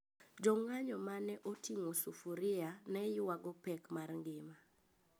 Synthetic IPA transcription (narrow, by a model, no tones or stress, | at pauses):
d͡ʒɔŋaɲɔmanɛʔotiŋosufuɾɪanɛjɪwaɡɔpɛkmarŋɡɪma